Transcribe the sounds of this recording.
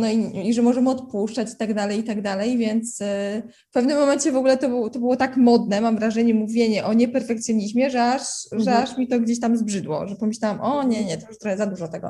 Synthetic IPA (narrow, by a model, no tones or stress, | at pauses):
nɔiiʐɛmɔʐɛmɔt̪puʂt͡ʂat͡ɕi̥t̪aɡd̪alɛjit̪aɡd̪alɛjvʲjɛnt̪s | fpɛvnɘmːɔmɛɲt͡ɕɛvɔɡulɛt̪ɔt̪ɔbɨwɔt̪akmɔd̪nɛmamvɾaʐɛɲɛmuvʲjeɲɛʔɔɲɛpɛɾfɛkt̪sjɔɲiʑmʲjɛʐɛaʂʐɛaʂmʲit̪ɔɡd͡ʑeɕ̬t̪amzbʐɘd̪wɔ̰ʐɛpɔmʲɘɕlʲawamʔɔɲɛɲɛt̪ɔjuʂt̪ɾɔxɛzad̪uʐɔt̪ɛɡɔ̰